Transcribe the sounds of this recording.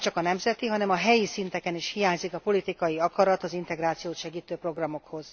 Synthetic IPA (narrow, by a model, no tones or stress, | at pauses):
ɛt͡ʃɒkɒnɛmzɛt̪iɦɒnɛmɒɦɛjisint̪ɛkɛniʃhijaːɲzikɒpo̞lit̪ikɒjiɒkɒɾɒt̪ɒzint̪ɛɡraːt̪sijoːt̪ʃɛɡiːt̪øːpro̞ɡrɒmo̞kho̞z̥